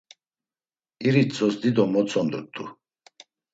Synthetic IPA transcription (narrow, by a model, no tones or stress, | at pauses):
iɾit͡sʼɔsd̪id̪ɔmɔt͡sʰʼɔnd̪ut̪ʼːu